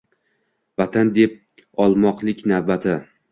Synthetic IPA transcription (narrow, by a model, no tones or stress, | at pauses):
vat̪ʰand̪e̞p̚ | ɒlˠmɒqlˠɪkʲnavbat̪ʰɪ